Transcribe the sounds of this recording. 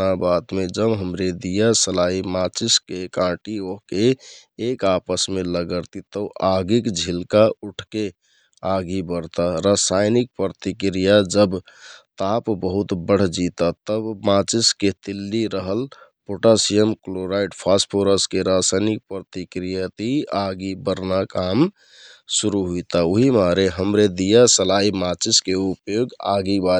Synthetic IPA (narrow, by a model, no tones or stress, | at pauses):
abat̪med͡ʒəbɦəmɾed̪ijasəlaimat͡ʃiskekãʈioɦkeː | kapəsmeləɡəɾt̪it̪əʔaɡikd͡ʒʱilkauʈʰke | aɡibəɾt̪aɾasajnik̚pɾət̪ikɾijad͡ʒəbt̪apbəɦut̪bəɽ̤d͡ʒit̪at̪əbmat͡ʃisket̪ilːiɾəɦəlpoʈasijəmkloɾaiɖpʰaspʰoɾəskeɾasajnik̚pɾət̪ikɾijat̪iaɡibəɾnakam | suɾuɦuit̪aoɦimaɾeɦəmɾed̪ijasəlaimat͡ʃiskeupjoɡa̰ɡiba